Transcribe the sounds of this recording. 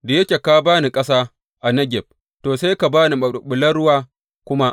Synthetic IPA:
da˨jɐ˦kʲeː˨kaː˦baː˦ni˨kʼɐ˦saː˦ | ʔa˨nɐ˦ɡʲɛ˨b̚ | toː˨se˦jka˨baː˦ni˨ɓʊ˨lɐ˦ɽʊ˦waː˦ | kʷʊ˦ma˦

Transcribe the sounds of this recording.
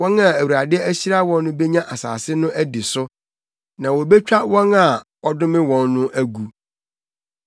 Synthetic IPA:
wɔ̃˦nã˨æ˨wu˨ɾa˨dɪ˦æ˦ɕi˦ɾa˦wɔ̃˦nːʊ̃˦be˦ɲã˦ʔa˨sa̰ː˨sɪ˦nʊ̃˦ʔæ˦di˨sʊ˦ | nã˨wɔ˨be˦t͡ɕᶣa˦wɔ̃˦na˨ | ɔ˦dʊ̃˦mɪ̃˦wɔ̃˨nːʊ̃˦ʔæ˦ɡu˨

